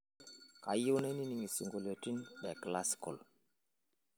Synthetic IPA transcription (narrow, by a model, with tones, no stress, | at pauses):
ka˨ju˦nɛ˦ni˦ni˨ŋi˨si˨ŋɡo˨lo˨ti˦nɗɛ˨kla˦skɔ̰˨l